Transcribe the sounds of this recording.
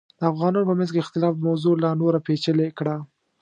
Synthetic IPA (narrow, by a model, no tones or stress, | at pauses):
d̪̥əafɣɑnɑnopəmanzkeɪxt̪ɪlɑfd̪əmawzolanoɾapet͡ʃəlekɽa